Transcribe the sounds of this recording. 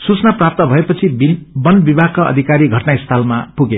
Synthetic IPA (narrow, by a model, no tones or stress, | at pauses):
sut͡snaprap̚t̪ʌbʱʌepʌt͡sʰibinbʌnbibʱakaʌ̰d̪ʱikaɾiɡʱʌʈnaist̪ʰalmapuɡe